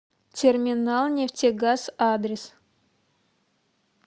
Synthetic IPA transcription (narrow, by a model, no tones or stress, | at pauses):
tʲʰermʲinalˠnʲeftʲeɡazad̪ɾʲɪs